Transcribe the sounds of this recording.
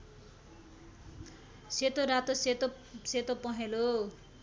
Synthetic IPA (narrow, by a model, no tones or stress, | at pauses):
set̪oɾat̪ost̪ | set̪opʌɦelo